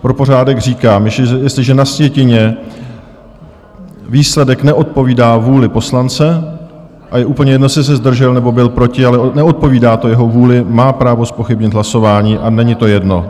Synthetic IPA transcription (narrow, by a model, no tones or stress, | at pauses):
pɾo̞po̞r̝aːdɛɡr̝iːkaːmjjɛstlɪʒɛnasvjɛcɪɲɛ | viːslɛdɛknɛʔo̞t̪̚po̞viːdaːvuːlɪpo̞slant͡sɛ | ʔajɛʔuːpl̩ɲɛjɛdnosɛs̬ɛzd̪r̩ʒɛlnɛbo̞bɪlpɾo̞cɪalɛnɛo̞t̪̚po̞viːdaːt̪o̞jɛɦo̞vuːlɪmaːpɾaːvo̞spo̞xɪbɲɪt̪ɦlaso̞vaːɲiːʔanɛɲɪt̪o̞jɛdno̞̰